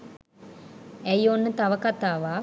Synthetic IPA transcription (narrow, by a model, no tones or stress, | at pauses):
æjonːət̪aʋəkat̪aːʋa